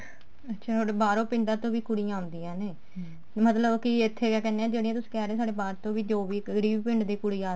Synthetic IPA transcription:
ətːʃʰaːt̪ʰoːɽeːbaːɾõːpɪ̃ɳɖãːt̪õːʋiːkʊɽijãːʊ̃nd̪iːãːneː | mət̪ləbkɪɪt̪ʰːeːkɛːkɛːneːãːd͡ʒeːɽiːãːt̪ʊsĩ̥ːkɛːɾeːsaːɖeːbaːɾt̪õːʋiːd͡ʒoːʋiːeɽiːʋiːpɪ̃ɳɖd̪iːkʊɽiːaː

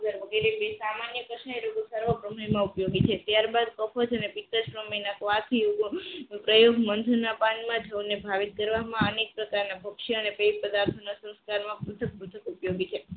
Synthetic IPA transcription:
ɡəɾʋəɡeɾebesamanjəkəʃaeɾoɡosəɾʋəpɾəməimãupjoɡit͡ʃʰet̪jaɾbad̪kəfʰod͡ʒənepit̪əd͡ʒfɾəmenakʋat̪ʰioɡpɾəjoɡmənd̪ʱunapanmãd͡ʒʱəwnebʱaʋit̪̚kəɾʋamãənek̚pɾəkaɾnabʱəkʃiənepeipəd̪aɾt̪ʰənosə̃w̃skaɾmãpɾut̪ʰək̚pɾut̪ʰəkupjoɡit͡ʃʰe

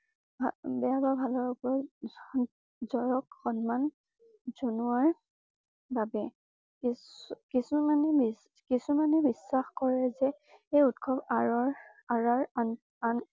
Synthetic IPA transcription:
bʱabɛjababʱalɔɹɔɡɔɹ | zɔɹɔkxɔnman | z̥onuaɹ | babɛ | kikisumanɛbi | kisumanɛbisːaxkɔɹɛzɛ | eutkʰɔbaɹɔɹ | aɹaɹ | an

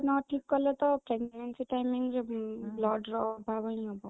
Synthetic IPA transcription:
nɔʈʰːikːɔlɔt̪ɔpɾeɡnensiʈajmiŋd͡ʒeblɔɖɾɔbʱabəñĩɦɔbɔ

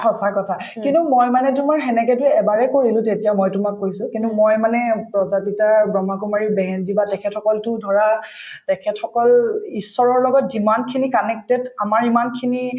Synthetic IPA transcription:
xɔsakɔtʰakintumojmanɛtʊmaɹxɛnɛkɛtʊɛbaɹɛkoɹilʊ̃tetijamojtʊmakːojsʊ̃kintumojmanɛpɹɔzapitaɹbɹɔmakumaɹiɹbɛɦɛnzibatɛkʰɛtʰɔkɔltʊdʱɔɹa | tɛkʰɛtxɔkɔlisːɔɹɔɹlɔɡɔtzimankʰinikanɛk̚tɛdamaɹimankʰini

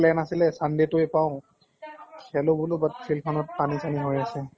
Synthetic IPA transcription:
lɛnasilɛsandɛtojpaʊ̃ | kʰɛlʊbʊlʊbatsʰilpʰɔnɔt̚panisaniɦojasɛ

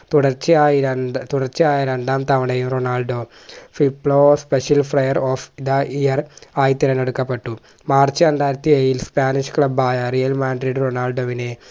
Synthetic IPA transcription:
t̪uɽɐrt͡ɕːɨaːit̪uɽɐrt͡ɕːɨaːjɐɾeɳɖaːmt̪ɐmɐɽejumronaːlɖo̞ː | filpːlospeʂjɐlfrɐjɐroːfid̪aʔijɐraːjit̪ːiɾɐneɽukːɐpːeʈːu | maːrt͡ɕːɨɐnd̪aːɾɐt̪ːijeːjilspaːniʂkɭɐbaːjɐrijɐlmaːɳɖɾiɖronaːlɖoːʋine

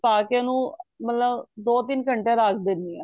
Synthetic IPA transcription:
aːkeənũːmət̪ləbd̪oːt̪ɪnkʰəɳʈjãːɾaːkʰd̪ɪnd̪iːɛː

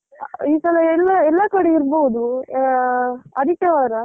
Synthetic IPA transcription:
iːsɐlɐɛlːɐɛlːɐkɐɽɛiɾboud̪u | ɐd̪ikːɛʋaːɾɐ

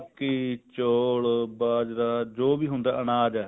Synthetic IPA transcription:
kiːt͡ʃoːɭbaːd͡ʒɾaːd͡ʒoːbiːɦʊnd̪a̰ːʔənaːd͡ʒɛː

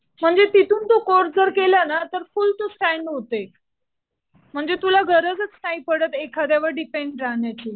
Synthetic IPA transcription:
m̤əɳd͡zet̪it̪ʰuːnt̪okoɾd͡zəɾkelanat̪əɾfult̪osʈæɳɖɦot̪e | m̤əɳd͡zet̪ulaɡʱəɾəd͡zət͡snaiːpəɽət̪ekʰad̪jaʋəɾɖipeɳɖɾaɦɳjat͡ɕiː

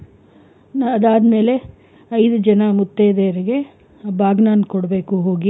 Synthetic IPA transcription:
ɐd̪aːd̪me̞ːle̞ | ɐjd̪ud͡ʒɐnɐmut̪ːeːd̪eːɾiɡe̞ | baːɡnaːnkɔɽɐbeːkuɦoːɡi

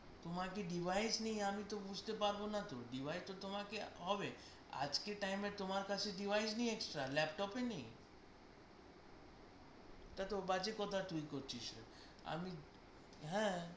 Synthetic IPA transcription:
t̪omakeɖibʱajsnejamit̪obud͡ʑʱt̪epaɾbonat̪oɖibʱajst̪ot̪omakeɦɔbe | a̰d͡ʒkeʈajmet̪omaɾkat͡ʃʰeɖibʱajsneĩeksʈɾalɛpʈɔpenej | t̪at̪obat͡ʃekɔt̪ʰat̪uikoɾt͡ɕʰiʃ | a̰mi | ɦɛ̃

